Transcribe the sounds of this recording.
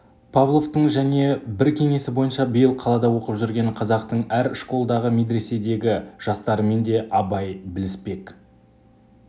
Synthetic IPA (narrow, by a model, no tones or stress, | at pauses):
pʰavlˠo̞vt̪əɴʒæne̞bɪɾkʲʰe̞ŋe̞sɪbo̞jənʃɑbəjəlˠqʰɑlˠɑd̪ɑwo̞qəpʒʏɾɡʲe̞ɴqʰɑzɑqt̪əɴæɾɪʃko̞lˠd̪ɑʁəmed̪ɾe̞se̞d̪e̞ɡʲɪʒ̥ɑst̪ɑɾəme̞nd̪e̞ʔɑbɑjbɪlɪspe̞k